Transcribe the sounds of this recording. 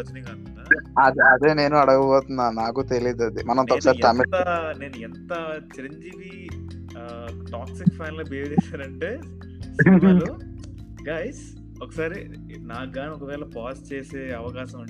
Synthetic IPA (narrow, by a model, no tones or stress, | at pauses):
t͡ʃɐnɐŋaːkunaɐd̪iɐd̪e̞ːne̞ːnuɐɽɐɡɐpɔːt̪unːaːnaːkut̪e̞liːd̪uɐd̪imɐnɐnt̪ɔkkɐsaːɾit̪ɐmit̪ɐne̞ːnuɛnt̪ɐt͡ʃiɾɐɲd͡ʒiːʋi | ʈaːksikpʰɛːnloːbeːd͡ʒɛːʃaːɾɐɳʈeː | sɾu | ɡaːjs | ɔkːɐsaːɾi | naːɡaːnɔkɐʋɛːɭɐpaːst͡ʃeːseːɐʋɐkaːʃɐmuɳɖi